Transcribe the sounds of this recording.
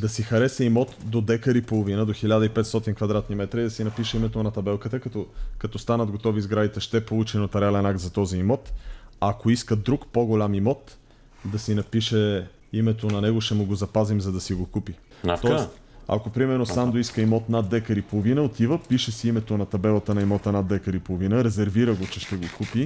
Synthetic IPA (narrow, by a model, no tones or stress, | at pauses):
d̪ɐsixɐɾɛsɛimɔt̪d̪od̪ɛkəɾipolˠovinəd̪oxilʲad̪əipɛt̪st̪ɔt̪inkvɐd̪ɾat̪nimɛt̪ɾəid̪ɐsinɐpiʃɛimɛt̪onɐt̪ɐbɛlˠkət̪əkɐt̪ɔkɐt̪ɔst̪anəd̪ɡot̪ɔvizɡɾad̪it̪ɛʃt̪ɛpolˠut͡ʃinot̪ɐɾalɛnak̚t̪zɐt̪ɔziːmɔt̪akoiskəd̪ɾukpoɡolʲamimɔt̪ | d̪ɐsinɐpiʃɛ | imɛt̪onɐnɛɡoʃt̪ɛmʊɡozɐpazimzɐd̪ɐsiɡokupi | t̪ɔɛst̪ | a̰kopɾimɛɾnosand̪oiskəimɔt̪nad̪lɛkəɾipolˠovinəot̪ivəpiʃɛsiimɛt̪onɐt̪ɐbɛlˠət̪ənɐimɔt̪ənad̪lɛkəɾipolˠovinəɾɛzɛɾviɾəɡot͡ʃɛʃt̪ɛɡokupi